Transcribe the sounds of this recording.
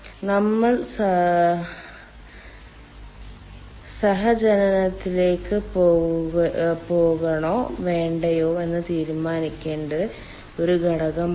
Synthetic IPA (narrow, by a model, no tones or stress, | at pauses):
nɐmːɐɭs | sɐɦɐd͡ʑɐnɐnɐt̪ːile̞ːkːɨpo | po̞ːɣɐɳo̞ːʋe̞ːɳɖɐjo̞ːe̞nːɨt̪iːɾumaːnikʲːe̞ːɳɖɨ | o̞ɾuɡʱɐɽɐɣɐm